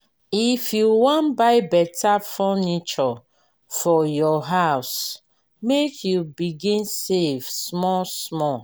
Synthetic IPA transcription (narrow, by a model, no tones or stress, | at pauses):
ifjuwɔ̃nbaɪbɛtafɔnit͡ʃɔ | fɔjɔɦaʊs | mekʰjubiɡĩnsefsmɔsmɔ